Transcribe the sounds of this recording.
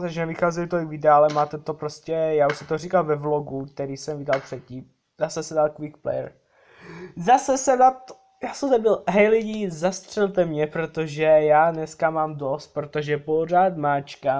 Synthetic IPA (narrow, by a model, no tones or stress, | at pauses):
zat͡ʃnɛvɪxaːzɛlɪt̪olɪkvɪdɛaalɛmaːt̪ɛt̪o̞pɾoscɛjaːuʃsɛmt̪orikalvɛvloɡuk̚t̪ɛɾiːsɛmvɪdalpr̥ɛt̪ciːm | zasɛsɛdalkvikplɛ̰jɛ̰ɾ | zasɛsɛnat̪o | jaːsɛmzɛbɪlɦɛjlɪɟiːzast̪r̝̥ɛlt̪ɛmɲɛpɾo̞t̪o̞ʒɛjaːnɛskamaːmdo̞st̪̚pɾo̞t̪oʒɛpo̞r̝aːt̪maːt͡ʃka